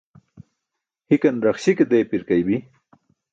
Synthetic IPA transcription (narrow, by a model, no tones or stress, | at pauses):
hikanɾaχɕiked̪ejpiɾkajbi